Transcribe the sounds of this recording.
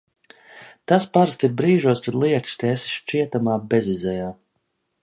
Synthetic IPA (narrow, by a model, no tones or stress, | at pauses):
t̪aspaɾst̪iɾbɾiːʒuɔskad̪lˠiɛkskaesi̥sʃt͡ʃiɛt̪amaːbezizɛjaː